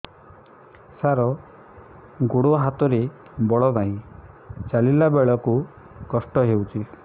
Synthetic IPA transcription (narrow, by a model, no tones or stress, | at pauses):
saɾɔ | ɡoɽoɦat̪ɔɾe | bɔɭɔnaɦĩ | t͡ʃalilabeɭɔku | kɔsʈɔɦewt͡ʃʰi